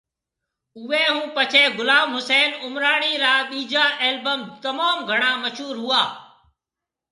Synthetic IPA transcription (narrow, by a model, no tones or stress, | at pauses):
ʊʋeːɦũːpət͡ʃʰeːɡʊlaːmɦʊseːnʊmɾaːɳiːɾaːɓiːd͡ʒaːʔeːlbəmt̪əmaːmɡʱəɳ̃aːməʃɦuːɾɦʊaː